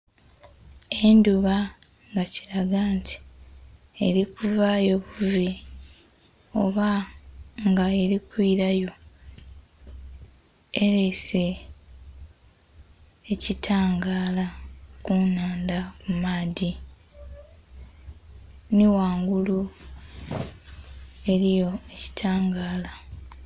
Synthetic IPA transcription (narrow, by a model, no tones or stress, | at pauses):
e̞nduβa | ŋɡaci̥ɾaɡaːnti̥ | eɾikuvajo̞βuvi | o̰βa | ŋɡae̞ɾikwiɾajo̞ | eɾese̞ | citʰaːŋɡaːlakunaːndakumaːdi | niwaːŋɡulu | e̞ɾijo̞eci̥tʰaːŋɡaːla